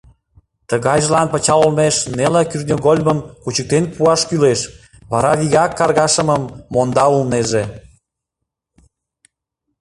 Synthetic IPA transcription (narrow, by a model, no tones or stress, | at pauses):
t̪əɣɑjʒəlɑnpə̆t͡ɕɑlolmeʃnelekyrnʲoɣolʲməmkut͡ɕək̚t̪enpuɑʃkyleʃ | βɑɾɑβiɣɑkːɑrɣɑʃəməmːond̪ɑulneʒe